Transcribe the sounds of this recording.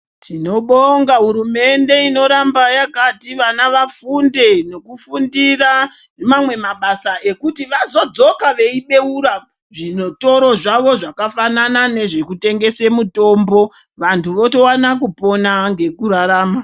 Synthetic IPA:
tʰino̞ɓoŋɡaɦuɾume̞nde̞ino̞ɾambajakatiʋanaʋafunde̞no̞kufundira | mamwe̞maɓasaʔekutiʋazo̞d͡zo̞kaʋe̞iɓe̞uɾa | ʐinoto̞ɾo̞ʐaʋo̞ʐakafananane̞ʐekute̞ŋɡe̞se̞muto̞ːmbo̞ | ʋantʰuʋo̞to̞wanak̬upo̞naŋɡe̞kuɾaɾaːma

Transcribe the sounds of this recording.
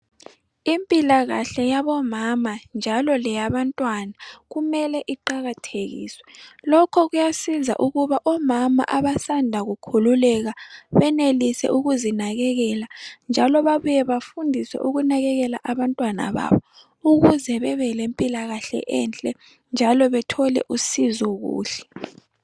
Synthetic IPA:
impʼilaɣaɬɛjaβɔmamand͡ʒʱalɔlɛjaβantʼwanaɣumɛlɛʔiǃaɣatʰeɣḭːswɛlɔkʰɔɣujasiza̰ʔuɣuβaʔɔmama̰ʔaβasandʱaɣukʰululɛɣaβɛnelisɛ̰ʔuɣuzinaɣɛɣɛland͡ʒʱalɔβaβujɛβafundʱisɛ̰ʔuɣunaɣɛɣɛlaʔaβantʼwana̰βa̰βɔ | uɣuzɛβɛβɛlempʼilaɣaɬɛ̰ʔɛnt͡ɬʼɛ | nd͡ʒʱalɔβɛtʰɔlɛ̰ʔusizɔɣṵːɬɛ̥

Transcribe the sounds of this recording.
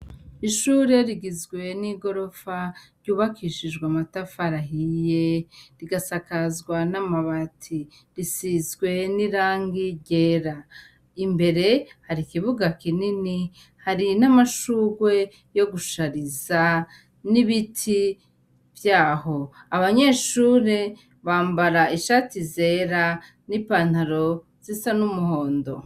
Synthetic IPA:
iʃuɾeɾiɡizɡwe̞niɡo̞ɾo̞faɾɟuːβakʰiʃid͡ʒɡwamatafaɾaɦijeɾiɡasakazɡwanamaβatʰi | ɾisizɡwe̞niɾaːŋɡiɟeɾa | imbe̞ɾe̞haɾikiβuɡakinini | haɾinamaʃuːɡwe̞ | jo̞ɡuʃaɾiza | niβitʰi | vjaːho̞aβaɲe̞ːʃuːɾe | βaːmbaɾaiʃatize̞ːɾa | nipan̥haɾo̞ | z̥isanumuho̞ːndo̞

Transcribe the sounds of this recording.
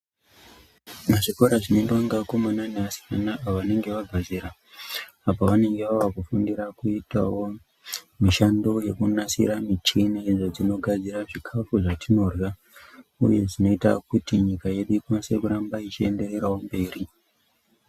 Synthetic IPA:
maʐikoɾaʐinendwaŋɡakomananeasi̥kanaʔaoʋane̞ŋɡe̞ʋaɡʱaziɾaː | paʋane̞ŋɡe̞ʋaʋakufundiɾakuita̰wo̞ | miʃando̞je̞kunasḭɾamit͡ʃinaʐod͡zino̞ɡʱad͡ziɾaʐikʰafuʐatʰino̞rwa | ṵje̞ʐino̞ita̰kutiɲikaje̞ɗuikwanse̞kuɾambait͡ʃiende̞re̞ɾawombe̞ːri

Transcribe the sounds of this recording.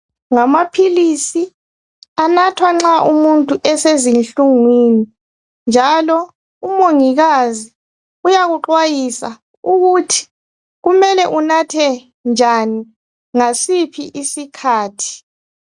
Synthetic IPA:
ŋamapʰilisi | anatʰwaŋ͡ǁaʔumuntʼuʔɛsezinɬuŋwini | nd͡ʒʱalɔ | umoŋiɣazi | ujaɣuǃwajisa̰ | uɣutʰi̥ | ɣumɛlɛʔunatʰɛ | nd͡ʒʱani | ŋasipʰiʔisikʰaːtʰi̥

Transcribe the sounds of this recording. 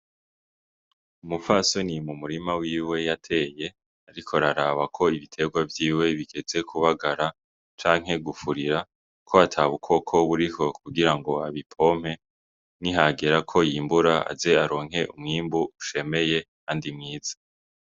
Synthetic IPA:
umufasonimumuɾimawiːwe̞jatʰe̞je̞ | aɾikʰo̞ɾaɾaβakʰo̞iβitʰe̞ɡwavjiːwe̞βiɡe̞ze̞kʰuβaɡaɾa | t͡ʃaːŋɦe̞ɡufuɾiɾa | kʰo̞atʰaβukʰo̞kʰo̞βuɾiho̞kuɡiɾaŋɡo̞aβipʰo̞m̥he̞ | niɦaɡeɾakʰo̞jiːmbuɾaa̰ze̞aɾo̞ːŋ̥ɦe̞ʔumŋiːmbuuʃe̞me̞je̞kandimŋiːz̥ḁ

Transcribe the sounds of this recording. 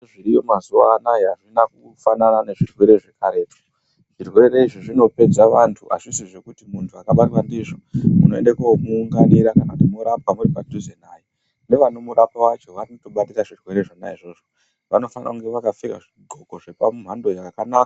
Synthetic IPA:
ʐiɾijomazuwa̰najeɦaʐinaku | fananane̞ʐirwe̞ɾe̞ʐe̞kaɾe̞ːpo̥ | ʐ̥irwe̞ɾe̞iʐiʐino̞pe̞d͡zaʋantʰuʔa̰ʐisiʐe̞kutimuntʰuakaɓariwandiʐo̞munoe̞̰ndekamuːŋɡaniɾakanautimuɾapwamuripadʱuzenaji | ne̞ʋano̞muɾapawat͡ʃo̞ʋanotoɓatiɾaʐirwe̞ɾe̞ʐona̰iʐo̞ːʐo | ʋano̞fana̰uŋɡe̞ʋakafika̰ʐiɡʱoko̞ʐepamum̤ando̞jakanaka

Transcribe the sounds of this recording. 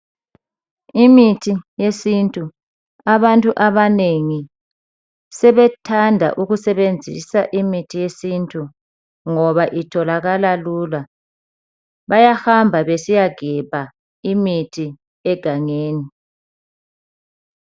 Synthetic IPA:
imitʰijesintʼu | aβantʼuʔaβaneŋi | sɛβɛtʰandʱa̰ʔuɣusɛβend͡zʱḭsaʔimitʰijesintʼu | ŋɔβaʔitʰɔlaɣalalula | βajahambʱaβesijaɡ̥ʱɛpa | imitʰi | ɛɡ̥ʱaŋeːni

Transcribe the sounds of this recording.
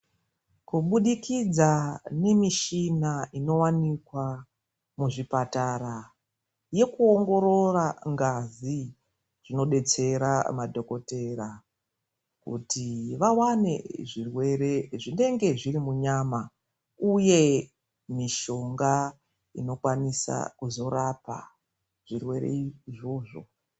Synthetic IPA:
kuɓuɗikid͡zane̞miʃinaino̞wanikwa | muʐipatara | je̞kuoŋɡo̞ɾo̞raŋɡazi | ʐ̥ino̞ɗe̞t͡se̞ɾamadʱo̞ko̞te̞ra | kṵtiʋawane̞̰ʐirwe̞ɾe̞ʐine̞ŋɡe̞ʐiɾimuɲaːma | uje̞ | miʃo̞ŋɡa | ḭno̞kwanisa̰kuzo̞rapa̰ | ʐ̥irwe̞ɾe̞̰iʐo̞ːʐo̞̰

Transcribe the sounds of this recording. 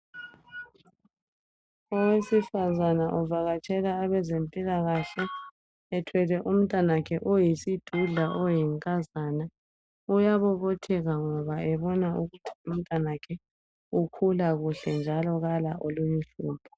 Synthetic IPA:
ɔwesifazanaʔɔvaɣat͡ʃʼʰɛlaːβɛzempʼilaɣaɬɛː | tʰwɛlɛʔum̩tʼanakʰɛʔɔjisid̥ʱuɮaʔɔjiŋkʼazana | ujaβɔβotʰɛɣaŋɔβaɛβɔnauɣutʰi̥um̩tʼwanakʰɛ | ukʰulaɣuɬɛnd͡ʒʱalɔɣalaʔoluɲuɬuːpʰɔ̥

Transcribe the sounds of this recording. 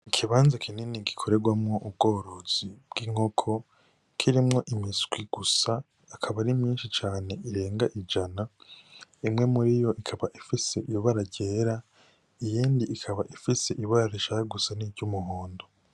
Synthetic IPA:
ikʰiβaːnzakʰininiɡikʰo̞ɾe̞ɡwamŋo̞ʔub̚ɡo̞ːɾo̞z̥ibɡ̥iŋo̞kʰo̞ | kʰiɾimŋo̞ʔimisɡ̥wiɡ̥usaː | kʰaβaɾimɲiːnʃit͡ʃaːne̞ʔiɾe̞ːŋɡaʔid͡ʒana | imŋe̞muɾijo̞ʔikʰaβaʔifise̞ʔijoβaɾaɟeːɾa | ijiːndiːkʰaβaʔifise̞ʔiβaɾaɾiʃahaɡusaniːvɟumuhoːndo̞

